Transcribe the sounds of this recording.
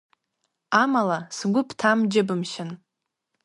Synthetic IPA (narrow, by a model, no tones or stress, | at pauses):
amalasɡʷʊpʰtʰamd͡ʒɪbɨmʃɪn